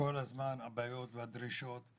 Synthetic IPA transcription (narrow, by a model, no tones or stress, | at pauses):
olhazmanhabajo̞t̪vead̪ɾiʃot̪